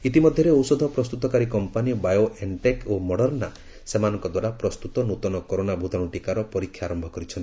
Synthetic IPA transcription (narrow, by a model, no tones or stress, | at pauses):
it̪imɔd̪ʱjɔɾeowsɔd̪ʱɔpɾɔst̪ut̪ɔkaɾikɔmpanijɔbajoʔeɳʈekomɔɽɔɾna | semanɔŋkɔd̪waɾapɾɔst̪ut̪ɔnut̪ɔnɔkoɾonabʱut̪ɔɽuʈikaɾɔpɔɾikʰjaɾɔmbʱɔkɔɾit͡ʃʰɔni